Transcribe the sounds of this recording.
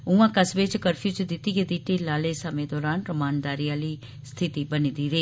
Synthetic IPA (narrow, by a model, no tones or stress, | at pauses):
ũːãːkəsʋɪt͡ʃkəɾpʰjuːt͡ʃd̪ɪt̪ːiːɡed̪iːʈiːlaːleːsəmẽːd̪ɔːɾaːnɾəmaːnd̪aːɾijãːliː | st̪ʰɪt̪iːbəniːd̪iːɾeː